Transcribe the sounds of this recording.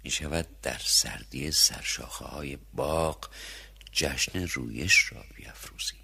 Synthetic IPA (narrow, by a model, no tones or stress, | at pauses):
miːʃævæd̪̚d̪æɾsæ̰ɾd̪ijesæ̰ɾʃɒ̰ːxehɒːjebɒːɢ | d͡ʒæʃneruːjeʃrɒ̰ːb̥ijæfɾuːz̥i